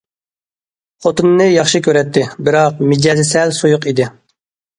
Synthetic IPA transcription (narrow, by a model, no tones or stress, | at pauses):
χot̪ɨnːɨjɑχʃɨkʲʰøɾɛt̪ʰːɪbɪɾɑq̚mɪd͡ʒɛzɪsɛlsojʊqid̪ɪ